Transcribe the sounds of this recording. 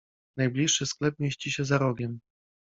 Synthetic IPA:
najblʲiʂːɘsklɛp̚mʲjeɕt͡ɕiɕɛzaɾɔɡʲɛm

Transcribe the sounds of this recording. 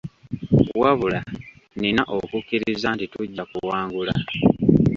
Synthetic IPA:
waβula | nenaʔokukːiɾizantituɟːakuwaːŋɡula

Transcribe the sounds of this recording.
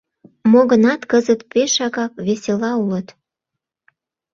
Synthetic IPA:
moɣənɑt̪kəzət̪peʃɑɣɑk̚βeselɑulət̪

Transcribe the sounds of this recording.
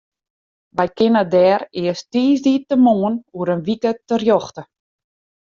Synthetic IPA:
ʋɛjkɪnədɛːɾɪəstiːzdiːtəmoːənuəɾənʋikətərjɔxtə

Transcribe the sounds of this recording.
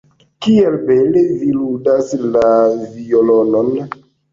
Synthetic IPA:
kielbeleviludaslaviolonon

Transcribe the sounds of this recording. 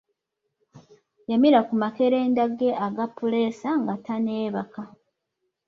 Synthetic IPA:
jamiɾakumakeɾeːndaɡe̞ʔaɡapːule̞ːsaŋɡatane̞ːβaka

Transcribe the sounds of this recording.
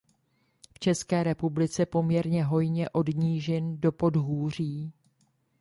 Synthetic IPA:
ft͡ʃɛskɛːɾɛpublɪt͡sɛpo̞mɲɛɾɲɛɦo̞jɲɛʔo̞dɲiːʒɛndo̞po̞dɦuːr̝iː

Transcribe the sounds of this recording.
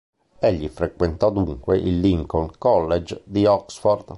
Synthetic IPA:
eʎːifɾekwent̪ɔd̪uŋkweʔilːiŋkonkɔlːed͡ʒd̪iɔksfɔrd̪

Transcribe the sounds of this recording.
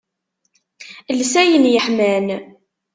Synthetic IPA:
lsæjənjəħmæn

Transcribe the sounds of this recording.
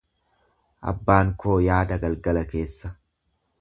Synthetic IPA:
ʔɐ̰bːaːŋko̞ːjaːd̪ɐɡɐlɡɐlɐke̞ːsːɐ

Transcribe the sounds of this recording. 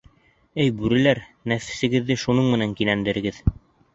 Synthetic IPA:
ɘjbʉɾɘ̆læɾnæfɘ̥̆sɘ̆ɡɘ̆ðːɘʃunɤɴmɘ̆næŋkilænd̪ɘ̆ɾɘ̆ɡɘð

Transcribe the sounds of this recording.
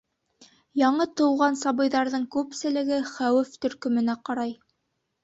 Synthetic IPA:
jɑɴɤt̪ɤ̆wʁɑnsɑβɤ̆jðɑɾðɤɴkʉpsɘ̆lɘ̆ɡɘχæwɘft̪ɵ̆ɾkɵ̆mɵ̆næqɑɾɑj

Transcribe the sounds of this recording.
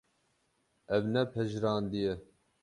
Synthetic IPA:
ɛvnɛpʰɛʒɾɑːnd̪ijɛ

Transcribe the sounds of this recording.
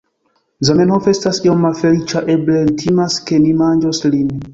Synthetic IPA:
zamenhofestasiomːafelit͡ʃaʔeblentʰimaskemimand͡ʒoslin

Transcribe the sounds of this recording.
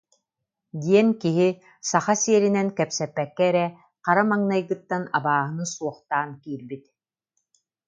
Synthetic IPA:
d̪iɛnkiɦi | saχasiɛɾinɛnkɛpsɛpːɛkːɛɛɾɛ | qaɾamaŋnajɡɯt̪ːanabaːɦɯnɯsuɔχt̪aːnkiːɾbit̪

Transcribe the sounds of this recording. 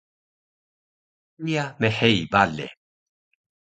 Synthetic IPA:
ijameħejbalːḛ

